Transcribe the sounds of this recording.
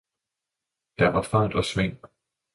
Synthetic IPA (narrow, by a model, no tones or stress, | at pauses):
d̥æʋɑ̈fa̰d̥ɒ̽sʋen̰